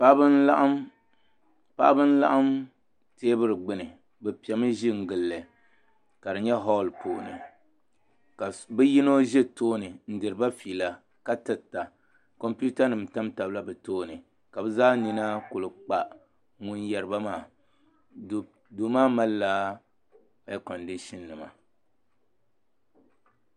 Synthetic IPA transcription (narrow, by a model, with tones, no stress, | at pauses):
pa˦bɨ˦nla˦ʔa˦m | pa̰˦ʔa˦bɨ˦n̩˦la̰˦ʔa˦m | teː˦bɨ˦ɾɨ˨ɡ͡bɨ˨nɨ˨ | bɛ˨pi˨ɛ˨mɨ˦ʒi˦ŋ̩˨ɡɨ˨lːɨ˨ | ka˨dɨ˨ɲɛ˦ɦɔ˦˨lpo̰ː˨nɨ̰˨ | ka˨bɛ˦ji˦no˦ʒɛ˦toː˦nɨ˨n̩˦dɨ˨ɾɨ˨ba˦fiː˨la˨ | ka˦tɨ˨ta˨ | kɔ˦mpu˦ta˦nɨ˨mta˦mta˨bla˦bɨ˨toː˦nɨ˨ | ka˨bɛ˦zaː˦ni˨na˦kʊ˨lɨ˨k͡pa˨ | ŋu˦njɛ˨ɾɨ˦ba˦maː˦˨ | do˨maː˦ma˦lːaː˦˨ | ɛ˦kɔ˨ndi˦ʃi˦nːɨ˨ma̰˨